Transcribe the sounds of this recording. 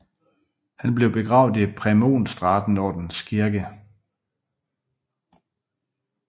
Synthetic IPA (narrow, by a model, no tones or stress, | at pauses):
hænb̥leʊb̥e̝ɡ̥ʁɑ̈ʊðˠdˠipʰʁɛmo̝̰ːnsd̥ʁɑ̈d̥n̩ɒːd̥n̩skʰiɐɡ̥ə